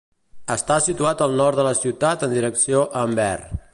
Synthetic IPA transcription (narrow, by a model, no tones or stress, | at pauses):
əst̪asit̪uat̪əlˠnɔɾt̪d̪ələsiwt̪at̪ənd̪iɾəksioʔəmbɛ̰r